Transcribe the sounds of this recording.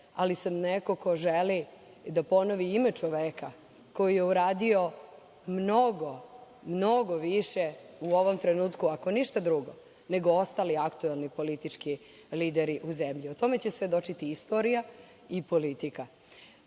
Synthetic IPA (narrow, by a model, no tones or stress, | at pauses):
alisamneko̞kʰo̞ʒeli | d̪apo̞noʋiime̞t͡ʂoʋeːka | ko̞jije̞uɾaːd̪io̞ | mno̞ɡo | mno̞ɡoʋiʃeuo̞ʋo̞mt̪ɾenuːt̪kuako̞niʃt̪ad̪ɾuɡo̰ | ne̞ɡoo̞st̪aːliakt̪uelnipo̞lit̪it͡ʂki | liːd̪eɾiʔuzemʎiot̪o̞me̞t͡ɕe̞sʋe̞d̪o̞t͡ʃit̪iist̪o̞ɾija | ipo̞lit̪ika